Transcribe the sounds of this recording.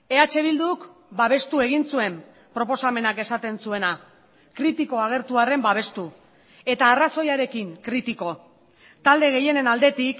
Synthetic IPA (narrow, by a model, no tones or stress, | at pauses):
e̞at͡ʃe̞β̞ild̪ukbaβ̞e̞st̪ue̞ɣ̞insue̞m | pɾo̞po̞same̞nake̞sat̪e̞nsue̞na | kɾit̪iko̞aɣ̞e̞ɾt̪uare̞mbaβ̞e̞st̪u | e̞t̪aːraso̞jaɾe̞kiŋkɾit̪iko̞ | t̪ald̪e̞ɣe̞je̞ne̞nald̪e̞t̪ik